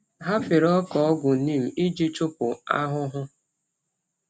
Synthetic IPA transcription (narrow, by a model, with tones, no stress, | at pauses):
ɦa˦fɪ˨ɾɔ˦kɔ˨ɔ˦ɡʷʊ˨˦niː˦˨m̩˨ʔi˦d͡ʒi˦t͡ʃʊ˦pʊ˨a˦ɦʊ˦ɦʊ˦